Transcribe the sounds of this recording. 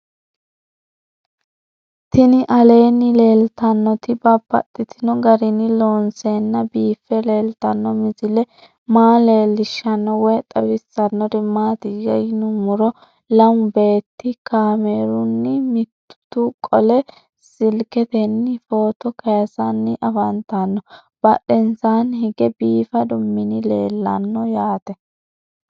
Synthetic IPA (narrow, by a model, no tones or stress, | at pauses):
t̪ɪnɪʔɐle̞ːnːɪle̞ːlt̪ɐnːɔt̪ɪbɐbːɐ̰t̪ʼːɪt̪ɪnɔɡɐɾɪnɪloːnseːnːɐbiːfːɛle̞ːlt̪ɐnːɔmɪzɪlɛ | maːle̞ːlːɪʃːɐnːɔwɛt̪ʼɐbɪsːɐnːɔd̪ɪmːaːt̪iɡɐjnʊmʊɾɔ | lɐmʊbe̞ːt̪ːɪkaːmeːɾʊnːɪmɪt̪ːʊ̥t̪ukʼɔlɛ | sɪlkɛt̪ɛnːɪfo̞ːt̪ɔkɐjɐsɐnːɪʔɐfɐnt̪ːɐnːɔ | b̥ɐɗɛnsaːnɦɪɡɛbiːfɐd̪ʊmːɪnɪle̞ːlːɐnːɔjaːt̪ɛ